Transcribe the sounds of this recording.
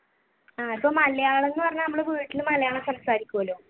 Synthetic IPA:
aːipːoːmɐlɐjaːɭe̞nːɨpɐrɐɲːanɐmːuɽekuːɻiʈːilumːɐlɐjaːɭesɐmsaːɾikʲːuɐloː

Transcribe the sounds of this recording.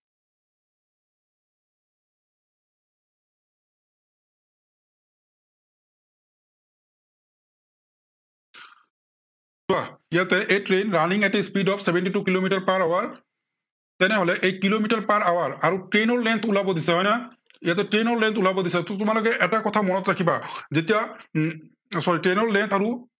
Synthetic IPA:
suaijat̪ɛʔejtɹenɹaniŋɛtispidɔpʰsɛbʱɛntitukilomitaɹpaɹawaɹ | tɛnɛɦolɛʔejkilomitaɹpaɹawaɹaɹutɹenɔɹlɛnt̪ʰulabɔd̪isɛɦɔjna | ijat̬ɛtɹenɔɹlɛnt̪ʰulabɔd̪isɛtɔtʊmalɔkɛʔɛtakɔt̪ʰamɔnɔtɹakʰibazetija | sɔɹitɹenɔɹlɛnt̪ʰaɹu

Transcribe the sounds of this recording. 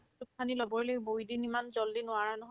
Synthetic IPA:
tup̚ʰanilɔbɔɹelojbojdinimanzɔldinʊaɹanɔɦ

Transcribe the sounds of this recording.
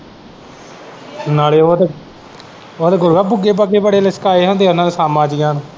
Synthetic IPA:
naːleːoe | oːeːɡʊlɡaːbʊɡeːbəɡeːbəɽeːlɪskaːeːɦõːnd̪eːʊnãːneːsaːmaːd͡ʒɪjãːnː

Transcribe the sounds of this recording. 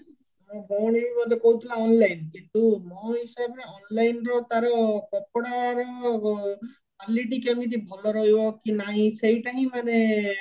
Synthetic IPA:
mɔ̃bɔwɽ̃ibibɔd̪ʱɔkɔɦut̪ʰilaɔnlajnkint̪umɔɦisabɾeɔnlajnɾɔt̪aɾɔkɔpɽaɾɔ | kaliʈ̬ikemit̪̬ibʱɔlɔɾɔɦibɔkinaɦĩsejʈaɦĩmane

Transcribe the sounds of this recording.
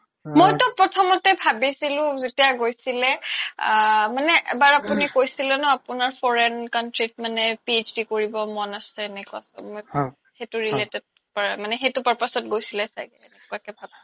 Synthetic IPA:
mojtɔpɹɔtʰɔmɔtɛbʱabisilʊ̃zetijaɡojsilɛ | manɛʔɛ̰baɹapunikojsilɛnɔapʊnaɹpʰɔɹɛnkantɹit̚manɛpiet͡ʃdikoɹibɔmɔnasɛːnɛkua̰smoj | xetʊɹiletɛd̚ | paɹamanɛxetʊpaɹpasɔtɡojsilɛsa̰jɡɛɛnɛkuakɛbʱab

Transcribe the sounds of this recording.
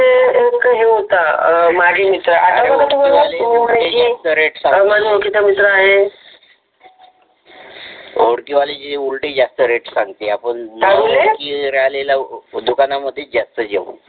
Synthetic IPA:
eekəɦiɦot̪amaɡʱemit̪ɾəʔat̪abəɡt̪uməlaenaeiast̪əɾeʈsaŋməd͡zmokit̪amit̪ɾəaɦe | oɽkiʋaled͡ʑiulʈed͡ʑast̪əɾeʈsaŋɡt̪eapəɳsaɡulekiːɾaɦlelad̪ukanaməd̪ʱːjed͡ʑast̪əd͡ʑḛʋṵ

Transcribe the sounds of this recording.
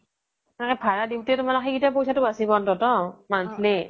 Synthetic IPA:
ɛnɛkɛpʰaɹadiwtɛtʊmalɔkxʰikitap̬ojsatʊasibɔntɔtɔmantʰli

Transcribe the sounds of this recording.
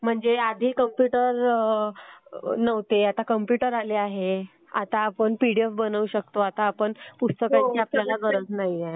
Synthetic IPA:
m̤əɳd͡zead̪ʱiːkəmpjuʈəɾ | nəʋt̪eat̪akəmpjuʈəɾaleaɦe | a̰t̪aːpəɳpiɽiefbənəʋuɕəkt̪oat̪aːpəɳpust̪əkaɲt͡ɕiapljalaɡʱəɾət͡snaɦje

